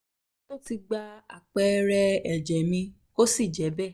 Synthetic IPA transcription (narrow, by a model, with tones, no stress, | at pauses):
to˦ti˧ɡ͡ba˧a̰˨k͡pɛ˦ɾɛ˧ɛ˨d͡ʒɛ˨mĩ˧ | ko˦si˦˨d͡ʒɛ˨˦bɛ˦˨